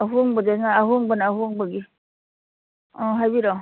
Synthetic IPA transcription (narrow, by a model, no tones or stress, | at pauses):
aɦuŋbad͡ʒanaːɦuŋbanaːɦuŋbaɡi | ɔɦajbiɾɔ